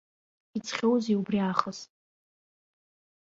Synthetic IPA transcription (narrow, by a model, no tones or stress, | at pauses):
it͡sʰχʲowziubriaχəz